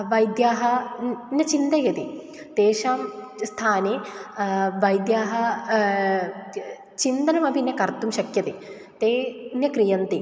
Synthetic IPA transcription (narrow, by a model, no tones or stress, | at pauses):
ʋɐjd̪jaːɦɐnjɐt͡ʃind̪eːjɐt̪i | t̪eːʂaːm | st̪ʰaːneː | ʋɐjd̪jaːɦɐ | t͡ʃind̪ɐnɐmɐbʱinːjɐkɐɾt̪umʃɐkjɐt̪e | t̪eːnjɐkɾijɐnt̪i